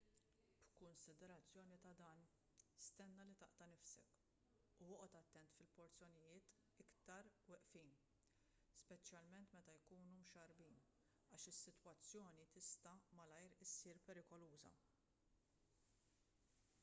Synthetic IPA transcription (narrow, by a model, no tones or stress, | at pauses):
b̥kʊnsɪd̪ɛɾɐt͡sːjɔːnit̪ɐd̪ɐːn | st̪ɛnːɐlit̪ɐʔt̪ɐnɪfsɛ̰k | uɔʔɔt̪ɐt̪ːɛnt̪fɪlpɔɾt͡sjɔnɪjɪːt̪ | ɪkt̪ɐɾwɛʔfiːn | spɛt͡ʃjɐlmɛnt̪mɛt̪ɐjkuːnumʃɐɾbiːn | ɐːʃɪsːɪt̪wɐt͡sːjɔːnit̪ɪst̪ɐmɐlɐjɾɪsːiːɾpɛɾɪkɔluːzɐ̰